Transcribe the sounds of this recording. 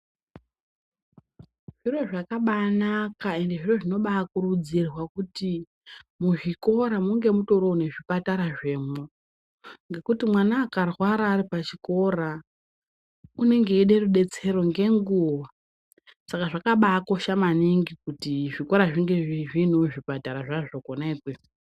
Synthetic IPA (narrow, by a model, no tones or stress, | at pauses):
ʐ̥iro̞ʐakaɓanakae̞nde̞ʐiro̞ʐino̞ɓaakurud͡zirwakuti | muʐiko̞ɾamuŋɡe̞muto̞ɾo̞ːne̞ʐipataɾaʐe̞ːmo | ŋɡe̞kutimwanaːkarwaɾaːripat͡ʃiko̞ra | une̞ŋɡe̞iɗe̞ruɗe̞t͡se̞ro̞ŋɡe̞ŋɡuʋa | sakaʐakaɓako̞ʃamaniŋɡikutiʐiko̞ɾaʐiŋɡe̞iʐin̤uʐipataɾaʐaʐokonekwe